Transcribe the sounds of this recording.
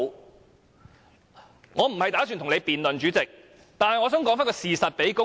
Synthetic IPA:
ŋɔː˨˧m̩˨˩hɐ˨jt̪aː˨˥sy˨nt̪ʰʊ˨˩ŋle˨˧jpiː˨nlɵ˨nt͡ʃyː˨˥t͡sɪ˨k̚ | t̪aː˨nhɐ˨jŋɔː˨˧sœː˨˥ŋkɔː˨˥ŋfaː˥kɔː˧siː˨sɐ˨t̚pe˨˥jkʊ˥

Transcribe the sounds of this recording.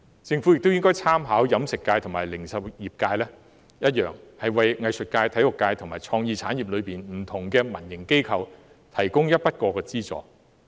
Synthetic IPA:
t͡sɪ˧ŋfu˨˥jɪ˨k̚t̪o˥wjɪ˥ŋkɔː˥jt͡sʰaː˥mɦaː˨˥wjɐ˨˥msɪ˨kːaː˧jt̪ʰʊ˨˩ŋmaː˨˩lɪ˨˩ŋsɐ˨wjiː˨˩p̚kaː˧jlɛː˥ | jɐ˥t̚jœː˨˩ŋhɐ˨jwɐ˨jŋɐ˨˧jsɵ˨t̚kaː˧jt̪ʰɐ˨˥jlʊ˨kːaː˧jt̪ʰʊ˨˩maː˨jt͡sʰɔː˧ŋjiː˨˧t͡sʰaː˨˥nji˨p̚lɵ˨˧piː˨˩nm̩˨˩t̪ʰʊ˨˩ŋkɛː˧mɐ˨˩njɪ˨˩ŋke˥jkʰɐ˨˧w | t̪ʰɐ˨˩jkʊ˥ŋjɐ˥t̚pɐ˥t̚kɔː˧kɛː˧t͡siː˥t͡sɔ̰ː˧˩

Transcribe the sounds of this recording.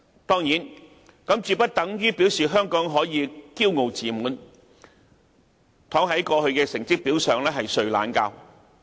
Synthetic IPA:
t̪ɔː˥ŋjiː˨˥n | kɐ˨˥mt͡ʃyː˨˧pɐ˥t̚t̪ɐ˨˥ŋjyː˥pi˨˥wsiː˨˩ɦœː˥ŋkɔː˨˥ŋɦɔː˨˥jiː˨˧kiː˥wŋo˨wt͡siː˨muː˨˥n | t̪ʰɔː˨˥ŋɦɐ˨˥jkɔː˧ɦɵ˧ɥkɛː˧sɪ˨˩ŋt͡sɪ˥k̚piː˨˥wsœː˨ŋlɛː˥ɦɐ˨jsɵ˨ɥla̰ː˨˥nkaː˧w

